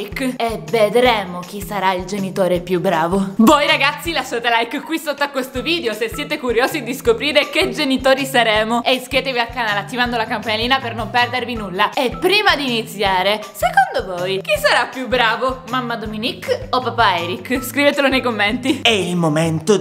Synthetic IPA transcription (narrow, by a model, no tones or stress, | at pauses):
ikːeved̪ɾeːmok̟isaɾaild͡ʒenit̪oːɾepjubːɾaːvovojɾaɡat̪sːilaʃːaːt̪elajkkːwisot̪ːoakːwest̪oviːd̪eosesːjeːt̪ekuɾjoːzid̪iskopɾiːɾeked͡ʒenit̪oːɾisaɾeːmoeiskjeːt̪evialkːanaːleat̪ːivand̪olakampanliːnapernompɛrd̪eɾvinulːaepːɾiːmad̪iːnit̪sjaːɾesekond̪ovoːjk̟isːaɾapːjubːɾaːvomamːad̪ominikːopːapaɛːɾikːskɾiveːt̪elonejkomːent̪iɛilmoment̪o